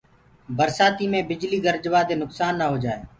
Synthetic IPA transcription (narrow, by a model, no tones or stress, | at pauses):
bəɾsaːt̪iːmẽːbɪd͡ʒliːɡəɾd͡ʒʋaːd̪eːnʊksaːnːaːɦoːd͡ʒaːḛː